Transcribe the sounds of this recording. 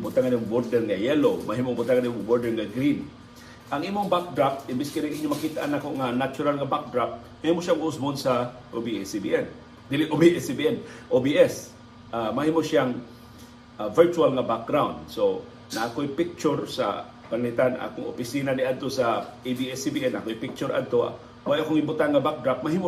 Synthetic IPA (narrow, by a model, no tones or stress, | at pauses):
bʊt̪aŋanimŋboɾd̪ɛɾnajɛlomaɦiːmoŋbʊt̪aŋanimʊŋboɹd̪ɛɾnaɡɾin | ʔaŋʔiːmoŋbak̚d̪ɾap̚t̪ɪmbɪskɪɾiŋʔiɲːomɐkit̪aʔanakoʔŋanat͡ʃʊɾalŋabak̚d̪ɾap̪̚ | mahiːmoʃaŋʊsmonsa | ʔobisbḭʔɛn | d̪ɪlɪʔobiɛsbiɛnʔobiʔɛs | ʔamɐhiːmoʃjaŋ | avɛɹt͡ʃualŋɐbak̚ɡɾawnd̪̚so | naʔakojpɪk̚t͡ʃʊɾsa̰ | pɐnlit̪anʔa̰koŋʔo̰pɪsiːnanɪʔad̪̚t̪osaʔibiɛsibiʔɛnːakojpɪk̚t͡ʃʊɾa̰d̪̚t̪o̰ | wjʔakoŋɪmbʊt̪anŋɐbak̚d̪ɾap̚mɐɦiːmo